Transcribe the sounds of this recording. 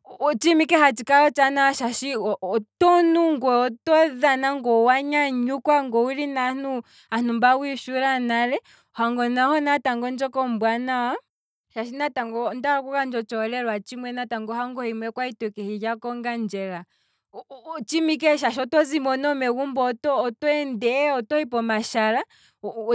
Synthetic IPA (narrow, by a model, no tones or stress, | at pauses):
t͡ʃimikɛɦat͡ʃikaɔt͡ʃanawaʃaʃiɔtɔnuŋɡwɛɔtɔðanaŋɡɔwaɲaɲukwaŋɡɔwuɾinanu | an̥umbawiʃuɾanaɾɛ | ɔhaŋɡɔnahɔnataŋɡɔnd͡ʒɔkɔmbwanawa | ʃaʃinataŋɡɔndaɔkukand͡ʒɔt͡ʃɔlɛɾwat͡ʃimwɛnataŋɡɔɦaŋɡɔhimwɛkwaitɔkɛhijakɔŋɡand͡ʒɛɾa | t͡ʃimikɛʃ̬aʃ̬ɔtɔzimɔnɔmɛkumbɔtɔːtɔɛndɛɔtɔhipɔmaʃaɾa